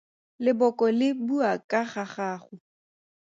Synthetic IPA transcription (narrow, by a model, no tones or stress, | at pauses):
lɪbɔkʼɔlɪbuakʼaχaχaːχʊ